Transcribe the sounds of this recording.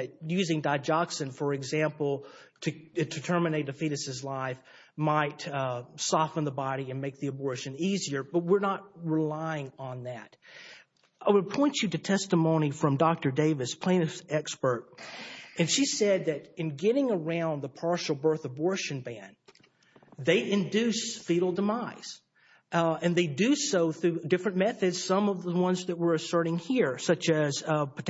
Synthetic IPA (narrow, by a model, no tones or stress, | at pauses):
ɨt̚jʉzɪ̃ŋdaɪd͡ʒɑksɨ̃nfə˞ɨɡzæ̃mpl̩ˠtʰɨtʰɨtʰɜ˞mɨneɪt̚ɨfiɾɨsɨzlaɪf | maɪtsɑfə̃nðəbɑɾiɨ̃nmeɪk̚ðiɨbɔɹʃɨ̃niziə˞b̥ʌt̚wɪɹnət̚ɹɪlaɪɪ̃ŋə̃nðæɾ | aɪwəɾ̚pʰɔ̃ɪ̃nt͡ʃɨɾɨtʰɛstəmõʊ̃ñifɹʌ̃mdɑk̚tə˞deɪvɨspʰl̥ẽɪ̃nɨɛkspə˞ɾ̚ | ɨ̃nʃisɛd̪̚ðɨɾɨ̃nɡɛɾɪ̃ŋə˞ãʊ̃nðəpʰɑɹʃl̩ˠbɜ˞θəbɔɹʃɨ̃nbæ̃n | ðeɪʔɨ̃ndʉsfiɾl̩ˠdəmaɪz̥ | ɨ̃nðeɪdɨsoʊθɹʉdɪfɹɨ̃nmɛθɨdz̥sʌ̃mʌvðəwʌ̃nzðɨt̚wɪɹɨsɜ˞ɾɪ̃ŋhiɹsʌt͡ʃɨz̥p